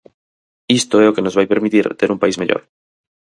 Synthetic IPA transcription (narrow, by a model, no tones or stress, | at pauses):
ist̪oeokeno̞zβajpe̞ɾmit̪iɾt̪eɾumpaizmaʎo̰ɾ